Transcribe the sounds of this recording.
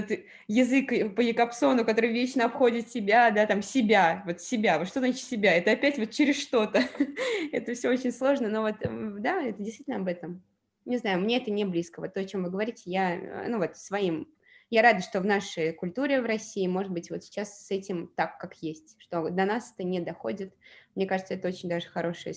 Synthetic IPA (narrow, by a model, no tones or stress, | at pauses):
vot̪ | jɪzɨkpəjɪkɐpso̞nʊkɐt̪o̞ɾɨjvʲet͡ɕnəɐpxo̞dʲɪt̪sʲɪbʲad̪at̪amsʲɪbʲavo̞t̪sʲɪbʲavot̪ʂt̪oznat͡ɕɪt̪sʲɪbʲaɛt̪əɐpʲætʲvo̞t̪̚t͡ɕɪɾʲɪsʂt̪o̞t̪ə | ɛt̪əfsʲoot͡ɕɪnʲslˠo̞ʐnəno̞vo̞t̪d̪aɛt̪ədʲɪst̪vʲitʲlnɐbɛt̪əm | nʲɪznajʊmnʲe̞ɛt̪ənʲɪblʲiskəvo̞t̪ːoɐt͡ɕo̞mvɨɡəvɐɾʲitʲɪja̰nuvo̞t̪svɐim | jaɾad̪ɨʂt̪o̞vnaʂəjkʊlʲt̪uɾʲɪvrɐsʲːiːmo̞ʐɨd̪̚bɨtʲvo̞t̪sʲɪ̥t͡ɕassɛtʲɪmt̪akːakjesʲtʲʂt̪o̞d̪ɐnasɛt̪ənʲɪd̪ɐxo̞̰dʲɪt̪mnʲekaʐɨt̪səɛt̪əot͡ɕɪnʲd̪aʐɨxɐɾo̞ʂɨjə